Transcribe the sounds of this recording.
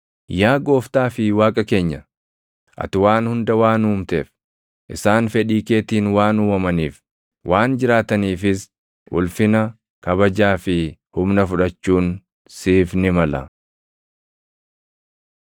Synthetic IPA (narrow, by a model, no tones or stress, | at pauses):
jaːɡo̞ːft̪aːfɪwaːkʼɐke̞ːɲːɐ | ʔɐ̰t̪ɪwaːnhʊnd̪ɐwaːnuːmt̪eːf | ʔɪsaːnfɛᶑiːke̞ːt̪iːnwaːnuːɐmɐniːf | wʔaːnd͡ʒɪɾaːt̪ɐniːfɪs | ʔʊ̰lfɪnɐ | kɐβɐd͡ʒaːfɪhʊmnɐfʊᶑɐt͡ʃːuːn | siːfnɪmɐlɐ̰